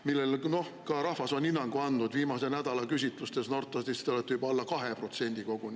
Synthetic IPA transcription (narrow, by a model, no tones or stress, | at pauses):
milːelno̞h | kɑɾɑhvɑso̞ninːɑŋɡ̥uɑnd̪̥ud̪viːmɑse̞næd̪̥ɑlɑkysʲit̪ˑlust̪esno̞rt̪ːˑɑst̪ist̪ːolet̪ːˑeybolːɑkɑɦe̞pro̞t̪se̞nʲd̪̥iko̞ɡ̥un